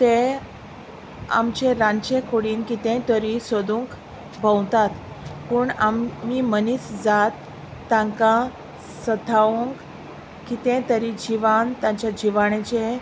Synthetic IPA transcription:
t̪ẽ | a̰mt͡ɕeɾant͡ɕekoɽiːnkit̪ẽt̪əɾisod̪uŋk | bə̃wt̪at̪ | puːɳamːimənisd͡zat̪ː | ãŋkã | sət̪ʰaʋuŋk | kit̪ɛ̃t̪əɾid͡ʑiʋant̪ãt͡ɕad͡ʑiʋaɽ̃et͡ɕe

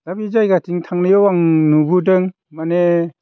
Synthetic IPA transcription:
d̥abizajɡatiŋtʰaŋnɯjɔwaŋnubudɯŋ | mane

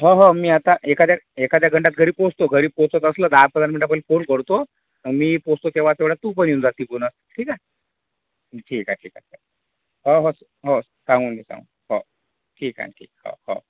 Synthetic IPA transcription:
ɦoɦomiːat̪aʔekad̪jaekad̪jaɡʱəɳʈat̪̚ɡʱəɾiːbpost̪oɡʱəɾiːpost̪ot̪əsləːd̪apənd̪ɾəmiɳʈapəlifonkəɽt̪o | əmiːpost̪ot̪eʋat̪eʋɽjat̪uːpəɳund͡zat̪ipunəsʈʰiːka | ʈʰiːkaʈʰiːka̰sə | ɦoɦos | ɦo | sãŋɡuːnd̪esa̰ŋɡṵ | ɦo | ʈʰiːkã̰ʈʰḭːk̚hho̰

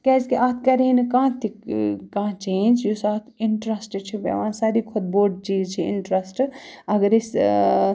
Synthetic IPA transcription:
kɛzkiʔaːt̪ʰkɐɾeinkãːt̪ʰikãːt͡ʃẽːnd͡ʒjosaːt̪ʰiɳʈɾɐsʈt͡ʃʰibḛʋãːsaɾikʰod̪̚boːɖ̚t͡ʃiːd͡ʒt͡ʃʰiḭɳʈɾɐsʈɐɡəɾis

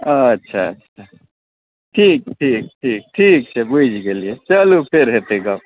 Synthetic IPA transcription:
ɐtːʃʰaə̰tːʃʰa | ʈʰiːk̚ʈʰiːk̚ʈʰiːk̚ʈʰiːk̚t͡ʃʰɛbud͡ʒkeliet͡ʃəlupʰeɾɦet̪eɡa

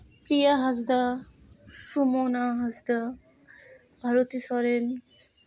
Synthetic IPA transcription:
pɾijaɦɐsd̪a | sumoːnaɦɐsd̪a | bʱɐɾot̪isɔɾen

